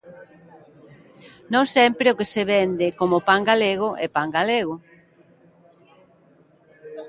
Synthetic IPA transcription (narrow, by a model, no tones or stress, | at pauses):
nõŋsɛmpɾeokeseβɛnd̪ɪkomopaŋɡaleɣʊʔɛpaŋɡaleɣ̞ʊ